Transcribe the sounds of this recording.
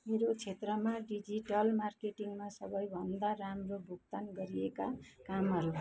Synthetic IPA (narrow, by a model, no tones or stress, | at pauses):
meɾot͡sʰet̪rʌmaɖid͡ziʈʌlmarkeʈiŋmasʌbʌjbʱʌnd̪aɾamrobʱukt̪anɡʌɾiekakamʌɾu